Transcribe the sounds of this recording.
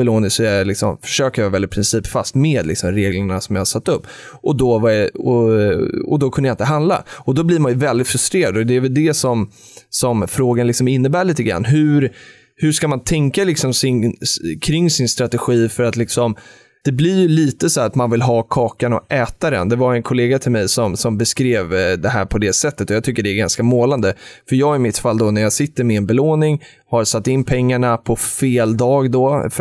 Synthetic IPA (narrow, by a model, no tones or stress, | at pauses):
ɛloːnɪsɔlɪksɔ̰mfœ̥ʂøːkəjɑːvɛldɪt̪̚pʰɾɪnsiːpfast̪meːd̪lɪ̰ksɔmɾeːɡləɳasɔmjahasat̪ːɵpː | ʔɔd̪ɔvajɔ | ɔ̰d̪ɔkʰɵnd̪əjaɪnt̪əɦand̪la̰ɔd̪ɔblɪɾmanjɵvɛld̪ɪt̪fɾɵst̪ɾeːɾad̪ɔd̪ɛːvɛld̪ɛsɔm | sɔmfɾoːɡanlɪksɔmɪnːəbæːɭiːt̪əɡɾa̰nːɦɵɾ | hɵʂkamant̪ʰɛŋkalɪksɔmsɪnkʰɾɪŋːsɪnst̪ɾat̪ɛɧiːfœɾat̪lɪksɔm | d̪̥ɛblɪɾjɵliːt̪əsɔæat̪manvɪlɦɑːkʰɑːkanɔ̰ɛːt̪ad̪ɛ̰nd̪ɛvaɾɛnkʰʊleːɡat̪ʰɪlmɛjsɔmsɔmbɛskɾeːvd̪ɛɦæ̰ːɾpʰɔd̪ɛsɛt̪ːət̪ɔjɑɡt̪ʰʏkːəɖɛːɡa̰nskamoːland̪əfœɾjɑːɡɪmɪt̪falːd̪ɔnæɾjaːsɪt̪ːəɾmɛːnbɛloːnɪŋ | haɾsat̪ːɪnːpʰɛŋːaɳapʰɔfeːld̪ɑːɡd̪ɔf